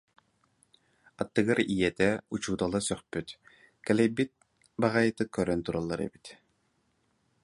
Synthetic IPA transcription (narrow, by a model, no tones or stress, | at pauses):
at̪ːɯɡɯɾijɛt̪ɛut͡ɕuːd̪alˠasœχpyt̪ | kɛlɛjbit̪̚ | baʁajt̪ɯkœɾœnt̪uɾalˠːaɾɛ̰bit̪